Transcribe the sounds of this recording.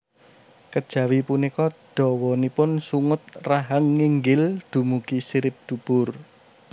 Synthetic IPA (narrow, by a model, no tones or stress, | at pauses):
kəd̥ʒ̥ä̤wipunikɔɖ̪̥ɔ̤wɔnipʊnsuŋʊt̪̚raɦəŋːiŋɡɪld̪̥ṳmukisiɾɪp̚d̪̥ṳb̥ʊr